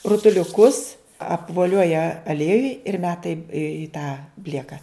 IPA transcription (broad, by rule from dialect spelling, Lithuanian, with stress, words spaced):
rʊtʊlʲʊˈkʊs ɐpʋoːˈlʲoːjɛ ɐˈlʲiɛjʊj ɪr ˈmʲæːtɐ ɪ ɪ tɑː ˈbʲlʲiɛkɐ